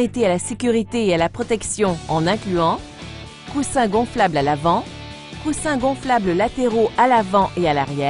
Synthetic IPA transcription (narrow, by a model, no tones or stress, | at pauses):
et̪ealasekʲyʁit̪eealapχɔt̪ɛksjɔ̃ɑ̃nɛ̃klyɑ̃ | kusɛ̃ɡɔ̃flablalavɑ̃ | kusɛ̃ɡɔ̃flabləlat̪eʁoʔalavɑ̃ʔealaʁjɛ